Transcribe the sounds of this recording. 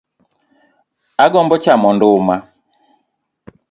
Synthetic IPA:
aɡɔmbɔt͡ʃamɔndʊma

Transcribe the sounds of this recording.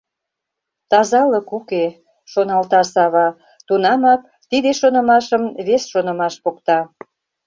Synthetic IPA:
t̪ɑzɑləkuke | ʃonɑlt̪ɑsɑβɑ | t̪unɑmɑk̚ | t̪id̪eʃonə̆mɑʃəmβesʃonə̆mɑʃpokt̪ɑ

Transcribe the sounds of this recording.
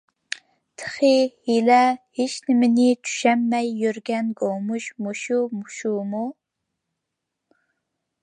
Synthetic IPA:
t̪ʰə̥χɨhilɛheʃnɪmɪnɪt͡ʃʰy̥ʃɛmːɛjːøɾɡʲɛnɡomuʃmuʃumuʃumu

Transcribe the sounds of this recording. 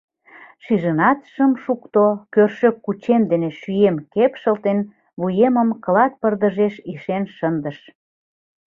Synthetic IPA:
ʃiʒənɑt̪ʃəmʃukt̪okørʃøkːut͡ɕemd̪eneʃyemkepʃəlt̪en | βujeməmkəlɑt̪̚pərd̪əʒeʃiʃenʃənd̪əʃ

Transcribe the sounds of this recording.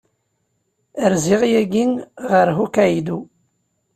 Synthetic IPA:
əɾziʁjæɡinʁəɾɦukæjd̪u

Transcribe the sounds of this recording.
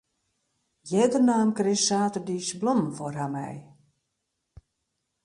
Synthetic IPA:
jɛdərnaːmkrɪssaːtərdiːsblɔmfɔrhamɛ̰j

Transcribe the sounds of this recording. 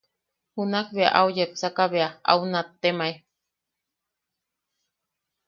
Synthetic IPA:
hunakβea̰ʔaujepsakaβeaa̰unat̪ːemae

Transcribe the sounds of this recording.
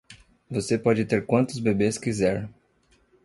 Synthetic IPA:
vosepɔd͡ʒɪt̪eɾkwɐ̃nt̪ʊzbebeskizɛɾ

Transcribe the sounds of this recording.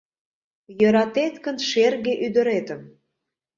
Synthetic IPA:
jəɾɑt̪et̪kə̆nʃerɣeʔyd̪əɾet̪əm

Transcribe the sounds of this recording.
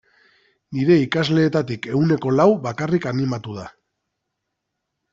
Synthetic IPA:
niɾe̞ikazle̞ːt̪at̪ike̞ɣune̞ko̞lawβakarikanimat̪uð̞a

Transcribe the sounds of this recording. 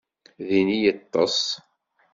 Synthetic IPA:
ðinijət̪ˤːɑ̰sˤ

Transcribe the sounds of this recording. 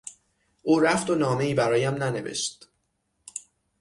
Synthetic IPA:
ʔuːɾæft̪onɒːme̞iːbæɾɒːjæmnæne̞ve̞̰ʃt̪

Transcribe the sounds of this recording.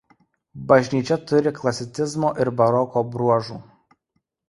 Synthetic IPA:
bɐʒʲnʲiːt͡ʃʲɛt̪ʊɾʲɪklˠɐsʲɪt̪sʲɪzmoːʔɪɾbɐɾɔkoːbɾuɔʒṵː

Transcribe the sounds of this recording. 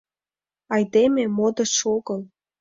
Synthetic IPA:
ɑjd̪ememod̪ə̆ʃoɣəl

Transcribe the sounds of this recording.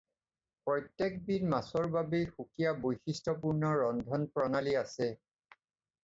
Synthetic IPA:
pɹɔjtːek̚binmasɔɹbabejxukijabojxistɔp̬uɹnɔɹɔndʱɔnpɹɔnaliasɛ

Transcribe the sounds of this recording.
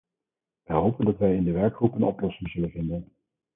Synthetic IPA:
ʋəjɦowpəndɑtʋɛjɪndəʋɛɹkχrupənɔplɔsɪŋz̥ɵlənvɪndən

